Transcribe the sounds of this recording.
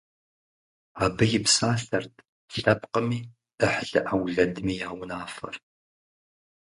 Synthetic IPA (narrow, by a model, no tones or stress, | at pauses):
aːbɨjɪpsaːɬɐrtʰ | ɬɐp̚qəmiː | əħɮɨʔawɮɐdmiːjaːwʊnaːfɐ̰r